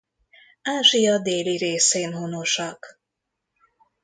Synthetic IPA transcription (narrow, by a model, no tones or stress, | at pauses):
aːʒijɒd̪eːliɾeːseːnɦunoʃɒk